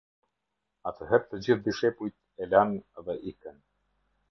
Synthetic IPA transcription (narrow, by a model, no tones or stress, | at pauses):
at̪ʰəɦɛɾ̚t̪əd͡ʑiθd̪iʃɛpujt̪ | ɛlanɛðɛʔikən